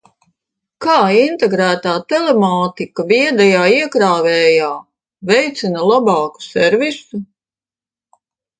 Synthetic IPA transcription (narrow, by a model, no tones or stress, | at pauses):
kaːint̪ɛɡɾæːt̪aːt̪ɛlemaːt̪ikaviɛd̪ɛjaːiɛkɾaːvɛːjaː | vɛjt̪sinɐlˠabɑːku̥sɛɾvisu